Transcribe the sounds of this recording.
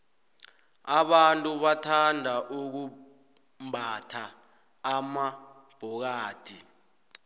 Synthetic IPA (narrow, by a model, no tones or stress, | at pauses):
aɓantʼuɓatʰandʱaʔuk̬u | mbʱatʰaː | ma | b̥ʱɔk̬aːd̥ʱi